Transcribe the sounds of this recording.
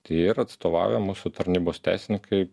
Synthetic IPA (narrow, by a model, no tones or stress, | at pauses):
t̪ɐɪɾɐt̪st̪oːʋɑ̰ːʊjɛmuːsʊt̪ɐɾʲnʲiːboːst̪ʲæ̰ːsʲnʲɪkʰɐɪ